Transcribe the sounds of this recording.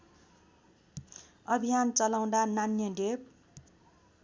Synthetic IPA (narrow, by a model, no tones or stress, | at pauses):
ʌbʱijant͡sʌlaw̃d̪ananjʌɖep̚